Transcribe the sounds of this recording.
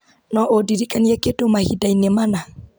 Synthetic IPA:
nɔʔodiɾikanjɛketomahḭdainemana

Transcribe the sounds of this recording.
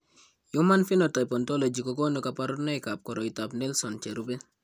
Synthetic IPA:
jumanfinɔtajpɔntolod͡ʒikɔkɔnukapaɾɔnajkap̚kɔɾɔitapnɛlsɔnt͡ʃɛɾubɛ

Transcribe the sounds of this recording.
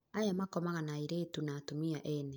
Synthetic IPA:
ajamakɔmaɣanaiɾeːtunaːtomiaʔɛne

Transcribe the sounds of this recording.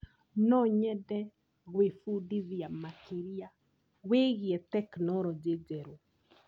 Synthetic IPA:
nɔɲɛdɛ | ɣwefudiðiamakiɾia | weɣiɛtɛknɔɾɔd͡ʒed͡ʒɛɾo

